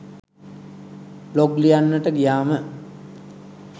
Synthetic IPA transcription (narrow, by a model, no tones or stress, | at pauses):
bloɡlijanːəʈəɡijaːmə